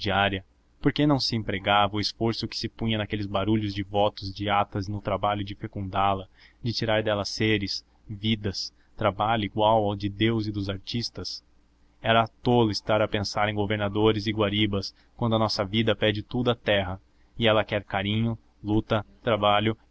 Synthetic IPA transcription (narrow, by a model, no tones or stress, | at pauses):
d͡ʒiaɾjɐ | poɾkenɐ̃w̃sɪẽmpɾeɡavɐʊɪsfoɾsʊkɪ̥sɪpũɲɐ̃nakelɪzbaɾuʎʊzd͡ʒɪvɔt̪ʊzd͡ʒɪat̪ɐzɪnʊt̪ɾabaʎʊd͡ʒɪfekũnd̪alɐd͡ʒɪt͡ʃiɾaɾd̪ɛlɐseɾɪs | vid̪ɐs | t̪ɾabaʎʊiɡwawawd͡ʒɪd̪ewzɪd̪ʊzaɾt͡ʃist̪ɐs | ɛɾɐt̪olʊɪst̪aɾɐpẽsaɾẽj̃ɡoveɾnad̪oɾɪzɪɡwaɾibɐs | kwɐ̃nd̪ʊɐnɔsɐvid̪ɐpɛd͡ʒɪt̪ud̪ʊɐt̪ɛɦɐ | ɪɛlɐkɛɾkaɾĩɲʊ | lut̪ɐt̪ɾabaʎʊ